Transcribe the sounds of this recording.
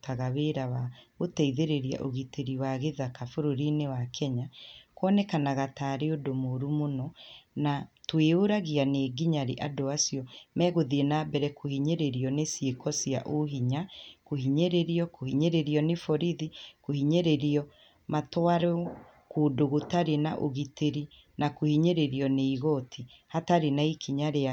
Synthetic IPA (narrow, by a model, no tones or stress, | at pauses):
taɣaβeɾawaotɛiðeɾeɾia̰ʔoɣiteɾiwaɣeðakafoɾoɾinewakʰɛɲakwɔnɛkanaɣataːɾeodomoɾumonɔnatweoɾaɣianeɡiɲaɾeʔadoasiɔmɛːɣoðienabɛɾɛkohiɲeɾeɾiɔnesiekɔsia̰ʔoɦiɲakohiɲeɾeɾiɔkohiɲeɾeɾiɔnefɔɾiðikohiɲeɾeɾiɔ | matwaɾɛ | koːdoɣotaɾenaʔoɣiteɾi | nakohiɲeɾeɾiɔneiɣɔtʰi | hataɾenaikʰiɲaɾea